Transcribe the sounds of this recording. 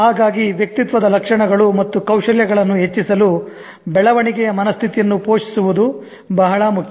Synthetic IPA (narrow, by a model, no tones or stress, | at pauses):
ɦaːɡaːɡiʋjɐk̚t̪it̪ʋɐd̪ɐlɐkʂɐɳɐɡɐɭumɐt̪ːukɐwʂɐljɐɡɐɭɐnːuɦet͡ʃːisɐlu | bɛɭɐʋɐɳiɡɛjɐmɐnɐst̪ʰit̪ijɐnːupoːʂi̥suʋud̪u | bɐɦɐɭɐmukʰjɐ